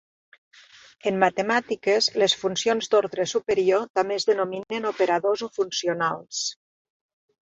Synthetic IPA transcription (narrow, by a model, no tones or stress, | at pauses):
əmːat̪emat̪ikəzləsfunsionzd̪oɾðɾesupəɾiot̪amezðənominenopeɾaðozofunsionalˠs